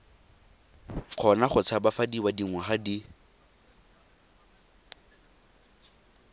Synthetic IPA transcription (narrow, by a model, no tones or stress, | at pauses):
q͡χʰɔnaχʊt͡sʰabafadiwadiŋwɛχadi